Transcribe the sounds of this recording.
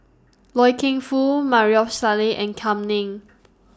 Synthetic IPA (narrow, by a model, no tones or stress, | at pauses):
lɔjkʰɪ̃ŋfumaɹiɔfsaliʔɛ̃nkʰãmnĩŋ